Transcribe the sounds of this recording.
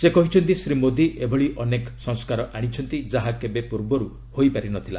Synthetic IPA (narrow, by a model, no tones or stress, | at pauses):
sekɔɦit͡ʃʰɔnt̪isɾimod̪ʱiʔebʱɔɭiʔɔneksɔ̃ŋskaɾɔʔaɽ̃it͡ʃʰɔnt̪id͡ʒaɦakebepuɾbɔɾu | hojpaɾinɔt̪ʰila̰